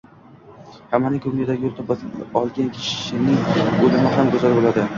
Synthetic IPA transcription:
hamːanɪŋkʰɵmlɪɪd̪aɡʲɪjolˠt̪abɒlˠɡʲankʲʰɪ̥ʃɪ̥ʃɪnɪŋɵlɪmɪɦamkʰozalbolad̪ɪ

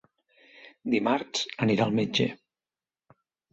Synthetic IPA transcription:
d̪imaɾsəniɾalˠmed͡ʒḛ

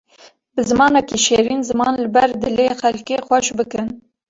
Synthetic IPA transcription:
bɨzɨmɑːnɛkiʃeːɾiːnzɨmɑːnlɨbɛɾd̪ɨleːxɛlkeːxʷɛʃbɨkɨn

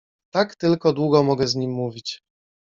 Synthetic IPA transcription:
t̪akt̪ɘlkɔd̪wuɡɔmɔɡɛzɲimːuvʲit͡ɕ

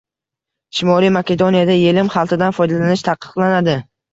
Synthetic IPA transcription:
ʃɪmɒlijmakʲe̞d̪onijad̪aje̞lɪmχɑlˠt̪ʰɪd̪anfɒjd̪alanɪʃt̪ʰɑqʰːɨ̥qlˠanad̪ɪ

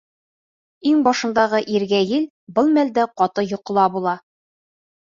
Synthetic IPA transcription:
iŋbɒʃɤ̆nd̪ɑʁɤʔiɾɡæjɘl | bɤlˠmæld̪æqɒt̪ɤjŏqɤ̆lˠɑbulˠɑ

